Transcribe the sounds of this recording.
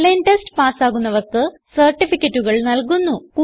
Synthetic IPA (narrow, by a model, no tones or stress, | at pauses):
lɐnʈesʈɨpaːsaːɣunːɐʋɐrkɨ | sɐrʈːifikʲːɐtːuɣɐɭnɐlkunːukuː